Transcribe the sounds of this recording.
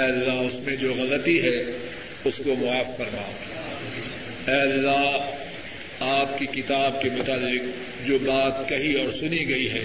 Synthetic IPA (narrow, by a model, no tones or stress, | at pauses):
ɛːɐlːaɦʊsmẽd͡ʒoːɣɐlət̪iɦɛ | ʊskomʊaːfːɐɾma̰oɡa | ɛːɐlːaɦ | aːp̚kikɪt̪aːb̚kemʊt̪aːlːɪq | d͡ʒoːbaːt̪kɐɦiɔːɾsʊniɡɐiɦɛ̰ː